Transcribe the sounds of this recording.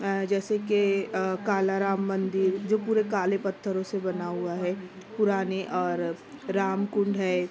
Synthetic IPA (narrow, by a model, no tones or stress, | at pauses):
d͡ʒɛːsekekaːlaɾaːmːɐ̃nd̪ɪɾd͡ʒoːpuːɾekaːlepɐt̪ʰːəɾõsebɐnaɦuaɦɛː | pʊɾaːneʔɔːɾɾaːmkʊ̃ɳɖɦɛː